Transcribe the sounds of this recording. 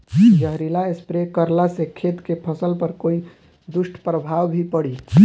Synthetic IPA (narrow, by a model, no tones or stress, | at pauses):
d͡ʒəɦɾilaespɾekəɾlasekʰet̪kepʰəsəlpəɾkoi | d̪usʈʰpɾəbʱawbʱipəɽi